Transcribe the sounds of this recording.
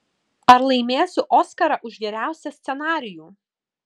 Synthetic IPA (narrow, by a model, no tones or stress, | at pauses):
ɐɾlˠɐɪmʲeːsʲʊʔɔːskɐɾɐʔʊʒʋʲiːɾʲæˑʊsʲɛsʲt̪sʲɛnɑːɾʲɪjuː